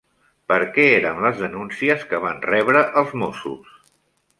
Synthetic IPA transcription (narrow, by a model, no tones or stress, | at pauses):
pəɾkɛeɾəmləzðənunsiəskəβ̞anrɛβɾəʔəlˠzmosṵs